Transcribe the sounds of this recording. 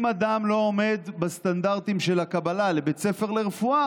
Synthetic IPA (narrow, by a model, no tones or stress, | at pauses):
mad̪amlo̞ome̞d̪bast̪and̪aʁt̪imʃe̞lakabalale̞bet͡se̞fe̞ʁle̞ʁefua